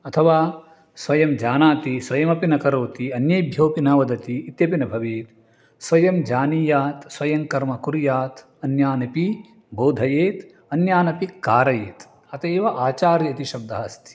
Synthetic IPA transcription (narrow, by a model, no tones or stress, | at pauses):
ɐt̪ʰɐʋaː | sʋɐjɐmd͡ʒaːnaːt̪isʋɐjɐmɐpinɐkɐɾoːt̪iɐnjɐjbʱjoːpinɐʋɐd̪ɐt̪iːt̪jɐpinɐbʱɐʋeːt̪ | sʋɐjɐmd͡ʒaːniːjaːt̪sʋɐjɐŋkɐɾmɐkuɾjaːt̪ | ɐnjaːnɐpi | boːd̪ʱɐjeːt̪ | ɐnjaːnɐpikaːɾɐjeːt̪ | ɐt̪eːʋɐʔaːt͡ʃaːɾjɐt̪iʃɐb̚d̪ɐɦɐst̪ʰi̥